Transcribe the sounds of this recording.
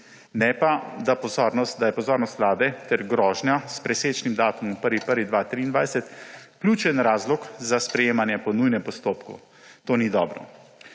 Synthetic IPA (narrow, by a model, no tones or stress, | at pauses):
nɛpad̪apɔzɔɾnɔst̪̚d̪ajɛpɔzɔːɾnɔst̪slaːbɛt̪ɛɾɡɾɔːʒnjaspɾɛseːt͡ʃnimd̪aːt̪ɔmɔ̃pəɾʋipəɾʋid̪ʋat̪ɾiːnd̪ʋajsɛt̪klʲjuːt͡ʃɛnɾaːzlɔkzaspɾɛjeːmanjɛpɔnujnɛmpɔst̪oːpkṵ | t̪oːnid̪ɔːbɾɔ̰